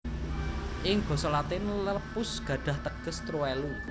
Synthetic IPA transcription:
ʔɪŋɡ̥ɔ̤solat̪ɪnləpʊsɡ̥ä̤ɖ̥a̤ht̪əɡ̥ə̤st̪ɾuɛlu

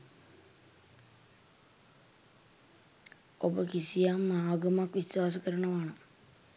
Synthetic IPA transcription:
obəkisijamːaːɡəmakʋiswaːs̬əkəɾɐɳəʋaɳə

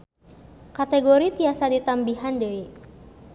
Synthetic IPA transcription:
kat̪ɛɡoɾit̪iasadit̪ambiɦand͡ʒəi

